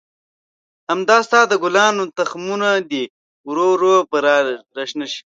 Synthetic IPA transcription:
hɐmd̪aːst̪aːd̪əɡʊlɑːnot̪ɐxmunad̪i | ɾoɾopəɾaɾɐʃnaʃi̥

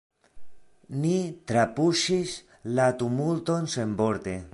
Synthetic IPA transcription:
nit̪ɾapuʃis | lat̪umult̪onsemboɾt̪e

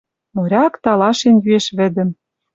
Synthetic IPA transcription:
moɾʲɑkt̪ɑlɑʃenjyeʃβɘ̆d̪ɘ̆m

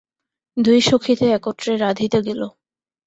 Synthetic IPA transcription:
d̪ujʃokʰːit̪eɛkoʈɾeɾad̪ʱit̪oɡelo

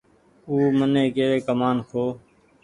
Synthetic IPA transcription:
uːmənẽːkeːʋeːkəmaːnkʰoː

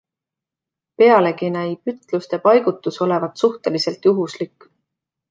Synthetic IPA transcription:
pe̞ɑle̞kinæjpyt̪ˑlust̪e̞pɑjɡ̥ut̪ːˑuso̞le̞vɑt̪suht̪e̞lise̞lt̪juɦuslikːˑ

